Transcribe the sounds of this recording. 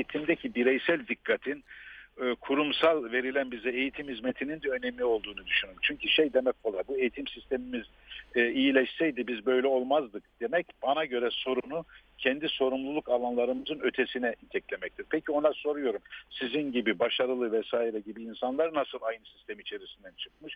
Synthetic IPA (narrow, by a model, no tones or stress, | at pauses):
ejit̪ʰimd̪ɛcʰibiɾɛjsælʲd̪ikʰːat̪ʰinː | kʰuɾumsalˠve̞ɾilʲænbizɛejit̪ʰimhizmet̪ʰinind̪ɛø̞nɛmːʲio̞lˠd̪uːnud̪yʃynymt͡ʃʰyɲcʰyʃe̞jd̪e̞mɛco̞lˠaɾbue̞jit̪ʰimsist̪ʰe̞mimiz | ijilʲɛʃsɛjd̪ibizbø̞jlʲɛo̞lˠmazd̪ɯk̚d̪̥e̞mɛcb̥anaɟø̞ɾɛso̞ɾunucʰɛnd̪iso̞ɾumlˠulˠukalˠanlˠaɾɯmɯzɯnø̞t̪ʰe̞sinɛʔit̪ʰɛclʲe̞mɛc̚t̪ʰiɾ̥pʰɛcʰio̞naso̞ɾujo̞ɾumsizinɟibibaʃaɾɯlˠɯvɛsaːiɾɛɟibiːnsanlˠaɾnasɯlˠajnɯsi̥st̪ʰemiit͡ʃʰe̞ɾisind̪ænt͡ʃʰɯ̥kmɯʃ